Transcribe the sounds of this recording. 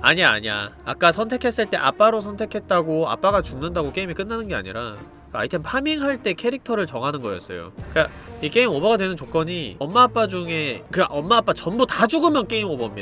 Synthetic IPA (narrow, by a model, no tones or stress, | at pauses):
aɲa̰ːɲa̰a̰k͈asʰʌntʰe̞kʰe̞s͈ɯɭt͈e̞ʔa̰p͈aɾosʰʌntʰe̞kʰe̞t̚t͈aɡoa̰p͈aɡat͡ɕuŋnɯndaɡok͈e̞imik͈ɯnːanɯnɡe̞a̰ɲḭɾa | ka̰itʰenpʰamiŋɦaɭt͈e̞kʰe̞ɾik̚tʰʌɾɯɭt͡ɕʌŋɦanɯnɡʌjʌs͈ʌ̰jo̰kɯka | ik͈e̞imobʌɡadwe̞nɯnt͡ɕok͈ʌɲiʌmːaːp͈ad͡ʑuŋe̞kɯʔʌmːaːp͈at͡ɕʌnbutad͡ʑuɡɯmjʌnk͈e̞imobʌmj